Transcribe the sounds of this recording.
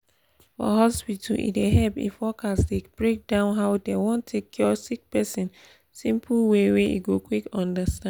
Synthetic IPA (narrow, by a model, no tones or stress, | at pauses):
fɔ̰ɦɔspitʰṵlḭdeɦɛpḭfɔkasdeb̥ɹek̚dãʊ̃nɦaʊdewɔ̃ntʰːekʰjɔsik̚pɛsĩn | sĩmpʰlweweḭɡokwikɔ̃ndəstã